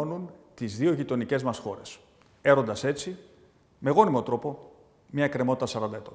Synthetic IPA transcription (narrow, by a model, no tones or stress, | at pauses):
onunt̪izðio̞ʝit̪o̞nice̞zmɐsxo̞ɾe̞s | e̞ɾo̞nd̪ɐse̞t͡si | me̞ɣo̞nimo̞t̪ɾo̞po̞ | mɲɐekɾe̞mo̞t̪it̪ɐsɐɾɐnd̪ɐet̪o